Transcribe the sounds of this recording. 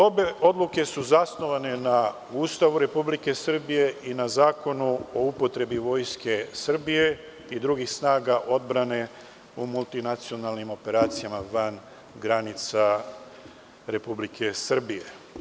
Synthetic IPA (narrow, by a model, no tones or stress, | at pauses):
o̞be̞ʔo̞d̪lˠuke̞suzasno̞ʋane̞na | uːst̪aʋuɾe̞publike̞sr̩bije̞ʔinazaːko̞nuo̞upo̞t̪ɾe̞biʋo̞ːjske̞sr̩bije̞ | id̪ɾuɡixsnaːɡaʔo̞d̪bɾane̞ | umulˠt̪inat̪sio̞nalnimo̞pe̞ɾaːt̪sijamaʋan | ɡɾanit̪sa | ɾe̞publikʰe̞sr̩bije̞